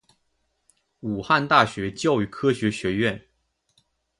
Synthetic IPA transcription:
u˨˩xa˥˧nt̪a˥˩ɕɥɛ˧˥t͡ɕjɑ˥˧ʊy˥˩kʰɤ˥ɕɥɛ˧˥ɕɥɛ˧˥ɥɛ˥˩n

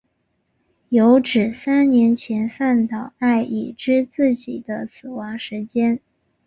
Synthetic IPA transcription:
jo˧˥ʊʈ͡ʂɻ̩˨˩sa˥nnjɛ˧˥nt͡ɕʰjɛ˧˥nfa˥˩nt̪ɑ˨˩ʊa˥˩ɪʔi˨˩ʈ͡ʂɻ̩˥t͡sɹ̩˥˩t͡ɕi˨˩d̪ə˦sʰɹ̩˨˩wɑ˧˥ŋʂɻ̩˧˥t͡ɕjɛ˥n

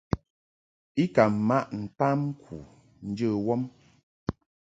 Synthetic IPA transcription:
i˦ka˨ma˦ʔn̩˨ta˦m̩˦kʰu˨ | n̩˦d͡ʒə˦wɔ˦m

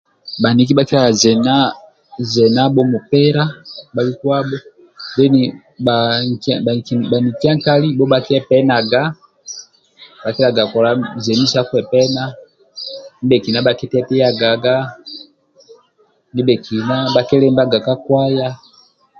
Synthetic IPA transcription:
ba˨ni˨˦k̬i˦ba˦ki˦la˨zɛ˨na˦ | zɛ˨na˦bɔ˦mu˨pɛ˦ɾa˦ba˨li˦kwa˦bɔ˦ | bɛ˦ni˨ | a˨ | kba˨ni˨ki˦a˦ŋka˦li˦bɔ˦ba˦ki˦ɛ˦pɛ˦na˨ɡa˦ | ba˨ki˦la˨ɡa˨kɔ˨la˦zɛ˨ni˦sa˦ku˦ɛ˨pɛ˦na˦ | ni˦bɛ˨ki˨na˦ba˨ki˦tɛ˦pɛ˦ja˨ɡa˨ɡa˦ | ni˦bɛ˨ki˨na˦ba˨kɛ˦lɛ˦mba˦ɡa˨ka˦kwa˦ja˦

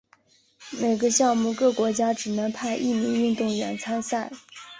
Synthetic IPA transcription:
me˨˩ɪɡə˧˦ɕjɑ˥˧ŋmu˥˩kɤ˥˩kwɔ˧˥t͡ɕja˥ʈ͡ʂɻ̩˨˩nɤ˧˥ŋpʰa˥˧ɪʔi˥˩mi˧˥ŋy˥˧nt̪ʊ˥˩ŋɥɛ˨˩nt͡sʰa˥nsa˥˩ɪ

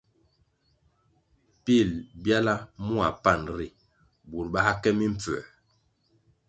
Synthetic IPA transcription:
pi˦˨lbja˦la˦mu˦a˨pa˦˨nɾi˦˨ | bu˨ɾɓa˦a˦kɛ˦mi˦m̩˨p͡fɛ̰˨

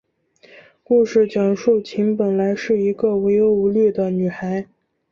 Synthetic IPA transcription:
ku˥˧ʂɻ̩˥˩t͡ɕjɑ˨˩ŋʂu˥˩t͡ɕʰi˧˥ŋpə˨˩nla˧˥ɪʂɻ̩˥˩i˧˥ɡə˧we˧˥ɪjo˧˥ʊu˧˥ly˥˩d̪ə˩ny˨˩xa˧˥ɪ

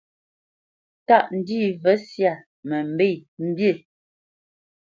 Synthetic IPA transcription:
ta˦˨ʔn̩˨diː˦˨və˦sja˦˨ | mə˨m̩˨be˦˨jm̩˦bje˦˨

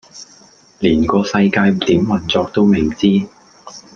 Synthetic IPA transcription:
liː˨˩nkɔː˧sɐ˧jkaː˧jt̪iː˨˥mːɐ˨˩nt͡sɔː˧k̚t̪o˥wmɪ˨˩t͡siː˥

